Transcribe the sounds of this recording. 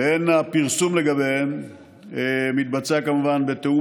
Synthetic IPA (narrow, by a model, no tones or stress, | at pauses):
enapiʁsumle̞ɡabe | emit̪̚bat͡sakamuvanbe̞t̪eu